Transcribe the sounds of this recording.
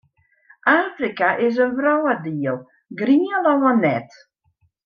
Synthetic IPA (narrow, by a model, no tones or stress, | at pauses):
ʔaːfrikaʔɪs̬ənvrɔwədiəlˠ | ɡriːəlɔwanɛt